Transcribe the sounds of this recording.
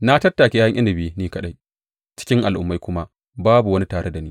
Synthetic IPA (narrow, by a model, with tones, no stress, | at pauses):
na˦tɐ˦tːaː˨kʲe˦ɐ˦ŋʔɪ˦ndɪ˨bi˦niː˦kɐ˦ɗa˦j | t͡ʃɪ̥˦kʲɪ˦ŋʔa˨lʔʊ̰˨mːa˦jkʷʊ˦ma˦ | baː˦bu˨wɐ˦ni˦taː˨ɽe˦da˨niː˦